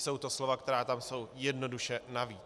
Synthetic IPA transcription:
so̞wt̪o̞slo̞vakt̪ɛɾaːt̪amso̞wjɛdno̞duʃɛnaviː

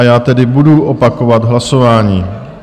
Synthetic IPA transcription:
jaːt̪ɛdɪbuduʔopako̞vad̪ɦlaso̞vaːɲiː

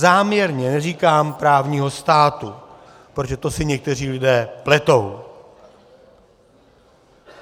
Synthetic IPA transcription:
zaːmɲɛɾɲɛnɛriːkaːmpɾaːvɲiːɦo̞st̪aːt̪u | pɾoʒɛt̪o̞sɪɲɛk̚t̪ɛriːlɪdɛːplɛt̪o̞w

